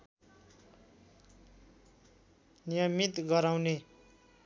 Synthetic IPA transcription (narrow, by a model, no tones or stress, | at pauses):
nijʌmit̪ɡʌɾaw̃ne